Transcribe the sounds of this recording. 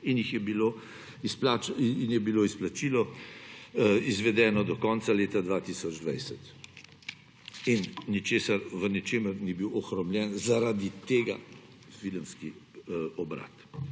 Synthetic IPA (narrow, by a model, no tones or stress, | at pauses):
injixjɛbilo | isplaːt͡ʃːnjɛbiloːisplat͡ʃilɔ | izʋɛd̪ɛːnɔd̪ɔkɔnt̪saleːt̪ad̪ʋaːt̪isɔd͡ʒd̪ʋɛjsɛt̪ | innit͡ʃeːsaɾʋənit͡ʃeːməɾnibiwɔxɾɔmljɛnzaɾad̪it̪eːɡa̰ | viləmskiɔbɾa̰ːt̪